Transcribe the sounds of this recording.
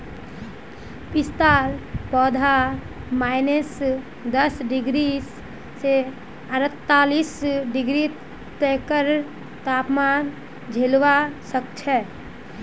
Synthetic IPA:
pɪst̪aːlpɔːd̪ʱa | maɪnes | d̪əsɖɪɡɾis | se | əɾət̪ːaːlisɖɪɡɾi | t̪ɛkəɾ | t̪aːpmaːn | d͡ʒʱelʋasəkt͡ʃʰɛ

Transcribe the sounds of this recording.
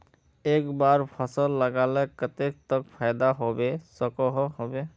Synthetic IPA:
ekbaɾpʰəsəlːəɡalekət̪ek̚t̪ɔkpʰajd̪aɦobesɔkɔɦɔɦobe

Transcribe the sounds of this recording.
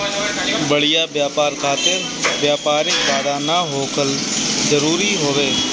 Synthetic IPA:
bəɽɪjaːbjaːpaːɾkʰaːt̪ɪɾ | bjaːpaːɾɪkʋaːd̪aːnaːɦoːkəlzəɾuːɾiːɦoːʋeː

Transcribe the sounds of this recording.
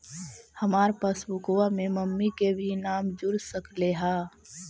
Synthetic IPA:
həmaːɾpaːsbʊkoʋamẽməmːikebʱinaːmd͡ʒʊɾsəkleɦaː

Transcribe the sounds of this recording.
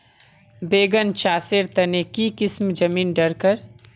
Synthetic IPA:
beːɡənt͡ʃaːsɪɾt̪ɐnekikɪsmd͡ʒɐmiːnɖɐɾkəɾ

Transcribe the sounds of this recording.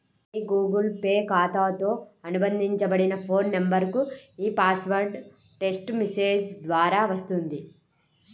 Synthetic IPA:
ɡuːɡɐlpe̞ːkaːt̪aːt̪oːɐnubɐnd̪ʱiɲt͡ʃɐbɐɽinɐpʰoːnːɐmbɐɾkuiːpaːsʋɐɾɖ | ʈe̞sʈmise̞ːd͡ʒd̪ʋaːɾaːʋɐst̪und̪i

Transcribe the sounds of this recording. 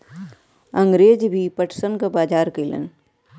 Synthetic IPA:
ɐ̃ŋɡɾeːd͡ʒbʱipɐʈʰsənkabaːd͡ʒaːɾkələ̰n

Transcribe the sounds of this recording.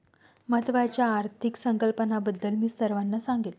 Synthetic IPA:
mət̪ʋat͡ɕjaːɾt̪ʰiksəŋkəlpənabəd̪ːəlmiːsəɾʋanːasãŋɡit̪

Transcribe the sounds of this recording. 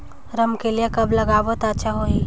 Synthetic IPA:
ɾɐmkelijekɐblɐɡaːʋət̪ətːʃʰaɦoiː

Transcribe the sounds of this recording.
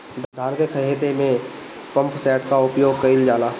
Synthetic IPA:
d̪ʱd̪ʱaːnkekʰəɦet̪emẽ | pə̃mpsɛːʈkaʊpjoːɡ̚kɐɪld͡ʒaːlaː

